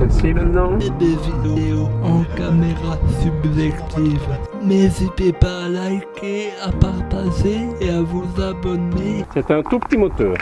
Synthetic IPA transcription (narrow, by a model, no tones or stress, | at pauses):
ɛsimɛ̃t̪nɑ̃ed̪evid̪eoɑ̃kameʁasybʒɛkt̪ʰivmɛzipepalajkeapaʁt̪aʒeːavuzabɔnesɛt̪ɛ̃t̪upə̥t̪imɔt̪œːʁ